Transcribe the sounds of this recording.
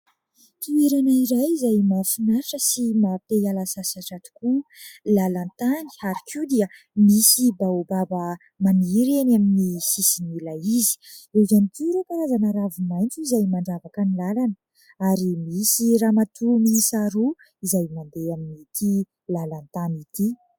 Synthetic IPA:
t̪ueɾanaiɾajizajmafinaɾiʈ͡ʂəsimapealasasaʈ͡ʂat̪i̥kulalant̪ani̥aɾikʰiud̪iə | misibawbabə | maniɾenaminisisinilaizi̥ewzanit̪ʰuɾupanazanəɾavumajnt͡suizajmaɳɖ͡ʐavakanilalanə | aɾimisiramat̪ʰuminisaɾu | izajmand̪eaminit̪ʰi | lalant̪anit̪i

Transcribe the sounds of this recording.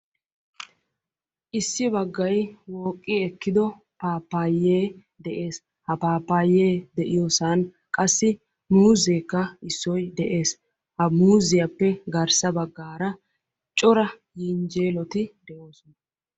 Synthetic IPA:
ʔɪsːɪbɐɡːɐjwoːkʼːɪɛkːɪd̪ɔ | paːpːaːjːeː | d̪ɛʔeːs | hɐpaːpːaːjːeːd̪ɛʔɪjɔsaːn | kʼɐsːɪ | muːzeːkːɐɪsːɔjd̪ɛʔe̞ːs | hɐmuːzɪjɐpːɛɡɐɾsɐbɐɡːaːɾɐ | t͡ʃʼɔɾɐ | jɪnd͡ʒeːlɔt̪ɪd̪ɛʔoːsɔnɐ

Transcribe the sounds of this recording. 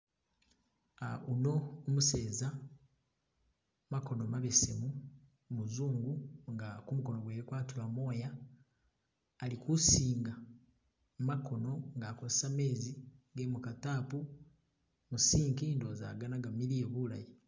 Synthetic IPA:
auno̞ːmuse̞ːza | mako̞nomaβesemu | muzuːŋɡuŋɡakumuko̞noɡweːɾikwaːtilamo̞ːja | likusiːŋɡa | makʰo̞no̞ŋɡaːkozesame̞ːziɡemukatapu | musiːŋkindoːza̰ɡanaɡamilieβulaji

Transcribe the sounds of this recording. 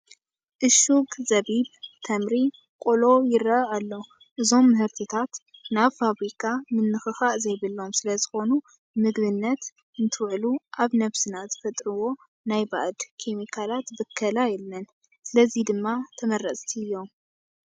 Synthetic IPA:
ʔɨʃuɡzɐβibt̪ʰɐmɾi | kʼolo̞jɪɾɐalːo̞ | ʔɨzo̞mːɨhɨɾt̪ʰit̪ʰat̪naβfaβɾikʰamɨnːɨxɨxaʔzɐjβɨlːo̞msɨlɐzɨxo̞nu | mɨɡβɨnːɐt̪ | ɨnt̪ʰɨwʕluʔaβnɐβsɨnaz̥ɨfɐt̪ʼɾɨwo̞ | najba̰ʔd̪kʰemikʰalat̪bɨkʰːɐlajɛlːɐn | sɨlɐzid̪ɨmːat̪ʰɐmɐrɐsʼt̪ʰiɨjːo̞m

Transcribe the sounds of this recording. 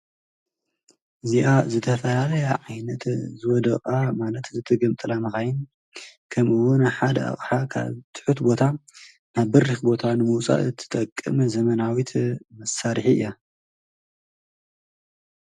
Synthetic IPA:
ʔɨziʔazɨt̪ʰɐfɐjalɐjaʕajnɐt̪zɨwɔd̪ɐχʼamalɐt̪zɨt̪ʰɐɡɐmt̪ʼɨlamɨxajɪn | kʰɐmʔɨwunaħad̪ɐa̰χʼħakʰa̰βt̪ʰɨ̥ħut̪bo̞t̪ʰa | naβːɨrːɨxbo̞t̪ʰanɨmɐwt͡sʼa̰ʔɨt̪ʰːɨ̥t̪ʼɐkʼːɨ̰mɨzɐmɐnawit̪ʰmɐsaɾħiɨ̰jːa

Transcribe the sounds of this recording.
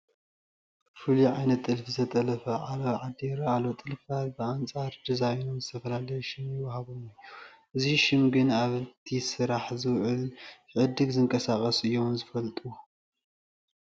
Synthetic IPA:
fɨliʕajnɐt̪ʼːɨlfizɐt̪ʼɐlɐfɐʕaloʕad̪iɾɐalot̪ʼɨlfat̪bɨant͡sʼaɾd̪ɨzajnomzɨt̪ʰɐfɐlalɐjɛʃɪmjɪwɐhaβumɨj | ʔɨziʃɪmɡɨnaβɨt̪ʰisɨɾaħzɨwʕɨl | ʕɨd̪ɨɡzɨŋkʼɐsakʼɐsɨjːo̞zɨfɐlt̪ʼu

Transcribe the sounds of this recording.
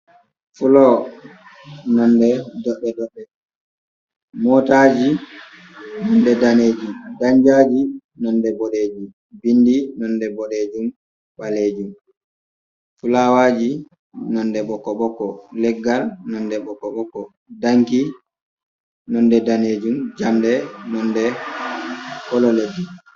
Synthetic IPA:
fulɔ | nɔndɛdɔɗɛdɔɗːɛ | mɔtad͡ʒi | nɔndɛdaneːd͡ʒumdaɲd͡ʒad͡ʒi | nɔndɛbɔɗed͡ʒu | bindinɔndɛbɔɗed͡ʒum | ɓaleːd͡ʒum | fulaːwaːd͡ʒi | nɔndɛɓɔkːɔɓɔkɔlɛɡːalnɔndɛɓɔkːɔɓɔkːɔ | daŋki | nɔndɛdaneːd͡ʒumd͡ʒamdɛnɔndɛ | kɔlɔledːu

